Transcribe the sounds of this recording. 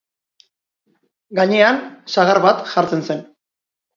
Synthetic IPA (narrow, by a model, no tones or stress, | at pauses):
ɡaɲe̞ansaɣaɾβat̪ʝaɾt͡se̞nse̞n